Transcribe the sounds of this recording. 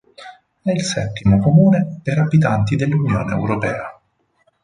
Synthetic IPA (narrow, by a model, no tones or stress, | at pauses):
ɛilsɛt̪ːimokomuːnepeɾabit̪̬ant̪id̪elːunjo̰ːnḛːwɾopɛːa